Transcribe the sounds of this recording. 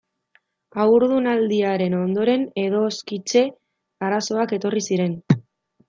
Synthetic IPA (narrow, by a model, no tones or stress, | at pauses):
awɾðunald̪iaɾe̞no̞nd̪o̞ɾe̞ne̞ðo̞skit͡ʃe̞ | aɾaso̞ake̞t̪o̞risiɾe̞n